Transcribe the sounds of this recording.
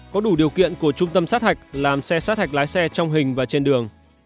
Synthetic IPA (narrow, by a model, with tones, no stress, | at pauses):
kɔ˨˦ɗu˧˩ɗi˨˩əwkḭ˧˨ənku˧˩ət͡ɕʊ˧ŋ͡mt̪ə˧msaː˦˥t̚ha˨˩jk̟̚laː˨˩msɛ˧saː˦˥t̚ha˨˩jk̚laː˨˦jsɛ˧t͡ɕɔ˧wŋ͡mɦï˨˩ŋ̟vaː˨˩t͡ɕe˧nɗɨ˨˩əŋ